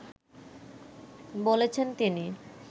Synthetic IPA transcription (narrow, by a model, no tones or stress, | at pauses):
bolet͡ɕʰent̪ini